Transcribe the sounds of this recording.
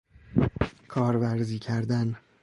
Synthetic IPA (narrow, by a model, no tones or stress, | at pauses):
kʰɒːɾvæɾziːcʰæɾd̪æn